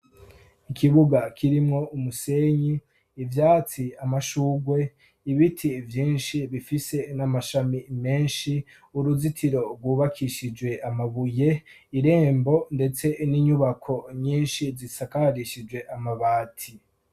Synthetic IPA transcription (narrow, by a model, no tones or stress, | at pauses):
ikʰiβuɡakʰiɾimŋo̞umuse̞ːɲiː | vjaːt͡siamaʃuːɡwe̞ | iβitʰivjiːnʃiβifise̞namaʃamime̞ːnʃi | uɾuzitʰiɾo̞ɾɡwuːβakʰiʃid͡ʒwe̞amaβuje̞ | iɾe̞ːmbo̞nde̞t͡se̞niɲuβakʰo̞ɲiːnʃizisakaɾiʃid͡ʒwe̞ʔamaβaːtʰi